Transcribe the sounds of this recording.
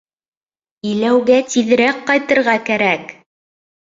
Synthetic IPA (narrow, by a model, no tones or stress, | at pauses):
ilæwɡæt̪iðɘ̆ɾækqɑjt̪ɤ̆ɾʁɑkæɾæk